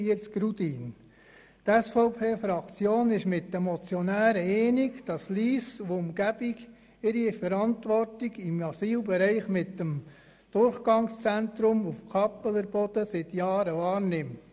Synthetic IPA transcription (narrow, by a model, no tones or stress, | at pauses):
iətɡ̥ɾudiːn | t̪ɛsfɔʊpʰeːfɾɑkt͡sjoːnɪʃmɪt̚d̥əmɔt͡sjɔnæːɾəɛːniɡd̥ɑsliːsuʊmɡ̥æb̥iɡ | ɪɾifəɾɑntʋɔrtiɡɪmɑsiːlbɛɾɛɪχmɪtːəm | d̪̥ʊɾχɡ̥ɑŋst͡sɛnt̪ɾʊmufkʰɑpələɾbɔd̥əsɪt̪jɑːɾəvɑːɾnɪmt